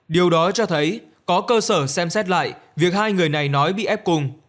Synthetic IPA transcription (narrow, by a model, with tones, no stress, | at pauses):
ɗi˨˩əwɗɔ˨˦t͡ɕɔ˧t̪ʰə˨˦j | kɔ˨˦kəː˧səː˧˩sɛ˧msɛ˦˥t̚la̰ː˧˨jvi˨˩ək̚haː˧jŋɨ˨˩əjna˨˩jnɔ˨˦jɓḭ˧˨ʔɛ˦˥p̚kʊ˧˩ŋ